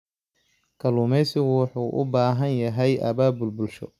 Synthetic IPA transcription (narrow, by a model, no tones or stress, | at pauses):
kʰɐlʊmɛjsɪɣwɑħuːʔʊ̰baːɦɐnjɐɦɛjʔɐ̰βaːbʊlbʊlʃɔ̰